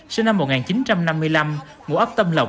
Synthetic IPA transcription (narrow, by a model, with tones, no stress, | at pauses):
si˧ŋna˧mːo˨˩t̚ŋaː˨˩t͡ɕi˨˦nt͡ɕa˧mna˧mːɨ˧əjla˧m | mṵ˧˩əʔp̚t̪ə˧mlə˨˩w